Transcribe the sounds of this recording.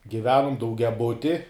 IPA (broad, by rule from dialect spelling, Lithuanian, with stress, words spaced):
ɡʲɪˈʋʲæːnʊm dɐʊɡʲɛˈbʊtʲɪ